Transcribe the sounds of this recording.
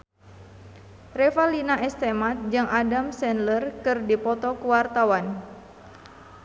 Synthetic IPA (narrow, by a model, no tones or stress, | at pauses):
rɛfalinaʔɛst̪ɛmat̪̚d͡ʒɨŋʔadamsɛnlərkɨrdipɔt̪ɔkuwart̪awan